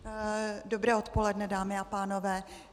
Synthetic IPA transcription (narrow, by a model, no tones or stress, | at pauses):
do̞bɾɛːot̪po̞lɛdnɛdaːmɪapaːno̞vɛː